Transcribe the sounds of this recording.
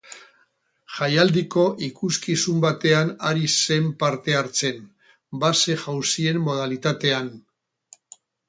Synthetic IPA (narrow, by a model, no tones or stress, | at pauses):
ʝajald̪iko̞ʔikuskisumbat̪e̞anaɾise̞mpaɾt̪e̞aɾt͡se̞n | base̞ʝawsie̞mːo̞ð̞alit̪at̪e̞an